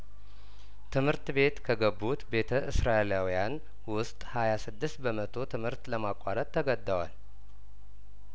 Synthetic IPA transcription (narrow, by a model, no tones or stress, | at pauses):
t̪ʰɨmhɨɾt̪be̞t̪kʰəɡəbːut̪be̞t̪ʰəʔɨsɾaelawijan | wʊst̪ʼhajasɨd̪ːɨst̪bəmət̪ʰo̞t̪ʰɨmhɨɾt̪ləmakʼːaɾət̪ʼːəɡəd̪ːəwa̰l